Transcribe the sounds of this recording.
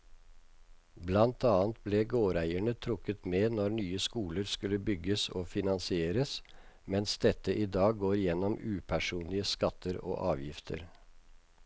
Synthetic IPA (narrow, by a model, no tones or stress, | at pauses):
blɑnt̪ʰɑːnt̪̚bleːɡoːɾæɪəɳət̪ʰɾʊkət̪meːnɔɾɳyːəskuːləɾskʉlːəbʏɡəsoːfɪnɑnsɪeːɾəs | mɛnsd̪ɛt̪ːəʔiːd̪ɑːɡɡoːɾjɛnɔmʉːpʰæʂuːnlɪəskɑt̪ʰːəɾo̰ːʔɑːʋjɪft̪ʰə̰ɾ